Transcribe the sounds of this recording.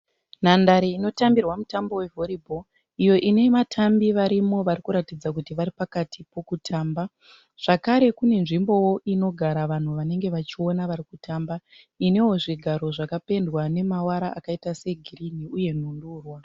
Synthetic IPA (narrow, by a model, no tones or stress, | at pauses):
nandaɾiino̞tambirwamutambo̞we̞vʱo̞ɾibʱo̞ | ijo̞ʔine̞matʰambiʋaɾimo̞ʋaɾikuɾatid͡zakutiʋaɾipakatipo̞kutʰaːmba | ʐ̥akaɾe̞kune̞nʐimbo̞wo̞ʔino̞ɡʱaɾaʋan̤uʋane̞ŋɡe̞ʋat͡ʃio̞naʋaɾikutʰaːmba | ine̞wo̞ʐiɡʱaɾo̞ʐakape̞ndwane̞mawaɾaʔakaitase̞ɡʱirin̤iuje̞n̤unduːrwa